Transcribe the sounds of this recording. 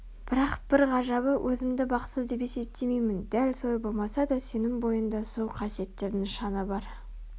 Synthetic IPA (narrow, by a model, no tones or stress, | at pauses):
b̥ɪɾɑqb̥ɪɾʁɑʒɑβəwʔɵzɪmd̪ɪbɑq̪səzd̪e̞p̬e̞se̞p̚t̪ʰe̞mejmɪnd̪ælsojbo̞lˠmɑsɑd̪ɑse̞nɪŋbo̞jənd̪ɑsowqʰɑsije̞t̪ːe̞ɾnɪŋʃɑnəbɑɾ